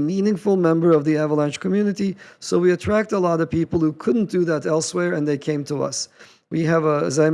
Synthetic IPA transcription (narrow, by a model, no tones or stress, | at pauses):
mĩnɪ̃ŋfl̩ˠmɛ̃mbə˞ʌvðiævəlˠɛ̃nʃkʰɨmjʉnɨɾisoʊwiɨtʰɹ̥æk̚təlɔɾʌv̥pipl̩ˠhukʰʊdⁿn̩d̥ɨðɨɾɛlˠswɛɹɨ̃nðeɪkʰẽɪ̃mtʰəʌ̰s | wiɨvəɨ̰zaɪ